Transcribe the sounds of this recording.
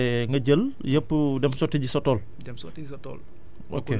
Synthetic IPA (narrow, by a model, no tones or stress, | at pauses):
ŋɡɐɟəljəpːdɛmsɔtːiɟisɔtɔːl | ʔo̰ke